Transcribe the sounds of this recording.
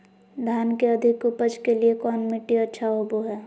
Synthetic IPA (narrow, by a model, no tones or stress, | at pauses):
d̪ʱaːnkeɐd̪ʱɪkʊpəd͡ʒkeliekɔːnmɪʈːiətːʃʰaʊboɦɛː